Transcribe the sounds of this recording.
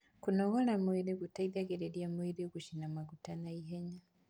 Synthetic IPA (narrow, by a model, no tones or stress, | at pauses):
kunɔɣɔlamwiɾikutaiðaɡɛɾɛɗiamwiɾikuʃinamaɡutanaiɦɛɲa